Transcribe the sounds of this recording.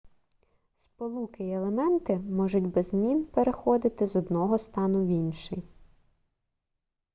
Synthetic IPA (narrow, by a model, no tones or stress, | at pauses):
spɔlˠukɪelˠemɛnt̪ɪmɔʒʊtʲbɛzmʲinpeɾexɔd̪ɪt̪ɪzɔd̪nɔɦɔst̪ɑnʊʋʲinʲʃɪj